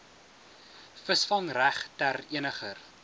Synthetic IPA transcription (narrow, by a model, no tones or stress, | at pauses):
fəsfɐŋræχtæriənəχər